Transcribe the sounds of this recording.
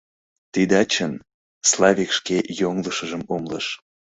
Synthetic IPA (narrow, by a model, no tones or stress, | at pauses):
t̪id̪ɑt͡ɕən | slˠɑβʲikʃkejoŋləʃəʒəmomlə̰ʃ